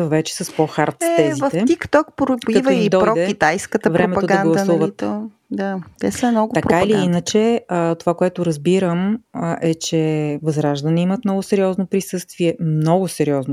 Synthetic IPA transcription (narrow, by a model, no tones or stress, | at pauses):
vɛt͡ʃɛ̥sɐspɔxaɾt̪ssɛzivft̪ɛt̪ikt̪ɔk̚pɾʊɐitvəid̪ɔɾɔd̪ɛit̪ajskət̪əvɾɛmɛpɐodɡɐanɡldˠɐuvəit̪ | d̪at̪ɛsəmnɔɡʊt̪ɐpɾkaiiliinət͡ʃɛət̪ovakoɛt̪ʊɾəzbiɾəməʔɛt͡ʃɛvɐzɾaʒd̪əniimət̪̚mnɔɡʊsɛɾʲiɔznopɾisɤst̪viɛmnɔɡʊsɛɾiɔzno